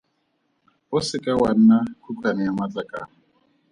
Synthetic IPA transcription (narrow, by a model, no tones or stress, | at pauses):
ʊsɪkʼawan̩nakʰukʰwanɪamat͡ɬʼakʼa̰ː